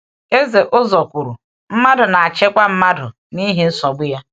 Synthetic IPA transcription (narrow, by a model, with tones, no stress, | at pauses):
e˦ze˨ʔʊ˦zɔ˨kʷu˨ɾu˨ | m̩˦ma˦dʊ˨na˨a˨t͡ʃe˦kʷa˦m̩˦ma˦dʊ˨ | ni˦ɦe˨n̩˦sɔ˨ɡ͡bʊ˦ja˦